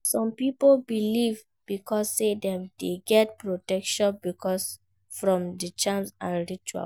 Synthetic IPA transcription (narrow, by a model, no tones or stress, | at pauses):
sɔ̃mpipolbiliv | b̥ikɔsːedɛ̃mdeɡɛtpɹotɛkʃɔ̃nbikʰɔs | fɹɔ̃mdit͡ʃãmsãɹit͡ʃua̰l